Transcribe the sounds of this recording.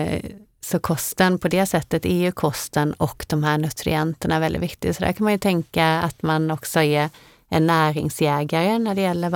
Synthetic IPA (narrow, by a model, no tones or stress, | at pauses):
sɔkʰɔst̪ənpʰɔd̪ɛsɛt̪ːət̪ɛjʉkʰɔst̪ənɔkːd̪̥ɔmɦæːɳɵt̪ɾɪ̰ɛnt̪əɳaæɾvɛld̪ɪ̰vɪk̚t̪ɪɡsɔd̪æ̰ɾkʰanmanjɵt̪ʰɛŋkaat̪manɔksɔeː | ɛɳæːɾɪ̰ŋsjɛːɡaɾənæɖɛjɛlːəɾ